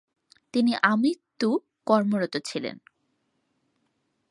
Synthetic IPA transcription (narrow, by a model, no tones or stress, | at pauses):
t̪iniʔamit̪ːu | kɔɾmoɾot̪ot͡ɕʰilḛn